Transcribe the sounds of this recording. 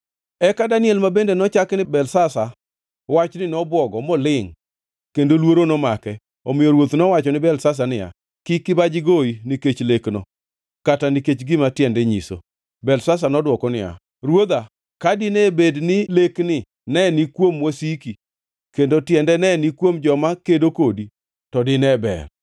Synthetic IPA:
ɛkadaniɛlmabendenɔt͡ʃaknɪbɛlsasa | wat͡ʃnɪnɔbwɔɡɔmɔlɪŋ | kendolwoɾonɔmakɛ | omɪjoɾwot̪nɔwat͡ʃɔnɪbɛlsas̬anɪja̰ | kɪkːɪbad͡ʒɪɡoiniket͡ʃleknɔ̰ | kataniket͡ʃɡɪmatjɛndɛɲḭso̰ | bɛlsas̬anɔdwɔkɔnɪ̰ja̰ | ɾwod̪a | kadɪnɛbednɪleknɪ | nɛnikwomwosiki | kendotjɛndɛnɛnikwomd͡ʒɔmakedokodi | tɔdɪnɛbɛ̰r

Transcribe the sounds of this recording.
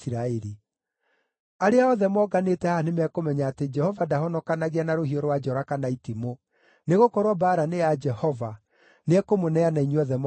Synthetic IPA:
siɾaeɾi | aɾeaɔðɛmɔɡanetɛhanemɛkomɛɲaːted͡ʒɛhɔvadahɔnɔkanaɣeanaɾohiɔɾwad͡ʒɔɾakanaitimo | neɣokɔɾwɔbaːɾanead͡ʒɛhɔva | nɛkomonɛanaiɲeɔðɛm

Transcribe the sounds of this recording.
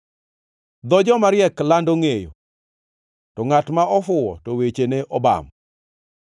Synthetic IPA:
d̪ɔd͡ʒɔmaɾjɛklandoŋejo̰ | tɔŋatmaɔfʊwɔtowet͡ʃeneʔɔba̰m

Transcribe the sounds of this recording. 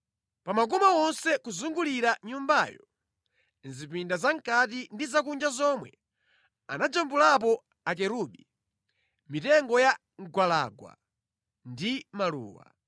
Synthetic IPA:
pamak̬ɔmawɔnsɛkuzuŋɡuliɾaɲumbajɔ | nzipindazaŋkat̬indizakund͡ʒazɔmwɛ | anad͡ʒambulap̬ɔ | akɛɾuɓi | mitɛŋɡɔja | ŋɡwalaɡwa̰ | ndimalṵːwa̰

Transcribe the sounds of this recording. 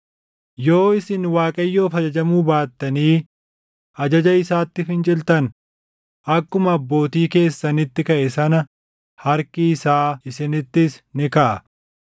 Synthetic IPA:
jo̞ːɪsɪnwaːkʼɐjːo̞ːfɐd͡ʒɐd͡ʒɐmuːbaːt̪ːɐniː | ʔɐd͡ʒɐd͡ʒɐɪsaːt̪ːɪfɪnt͡ʃʼɪlt̪ɐn | ʔɐkːʊmɐːbːo̞ːt̪iːke̞ːsːɐnɪt̪ːɪkɐʔɛsɐnɐ | hɐɾkɪːsaːɪsɪnɪt̪ːɪsnɪkɐʔɐ

